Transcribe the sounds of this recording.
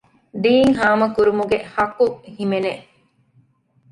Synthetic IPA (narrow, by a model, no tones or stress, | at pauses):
d̪iːŋɦaːmɐkuɾumuɡehɐkuhimene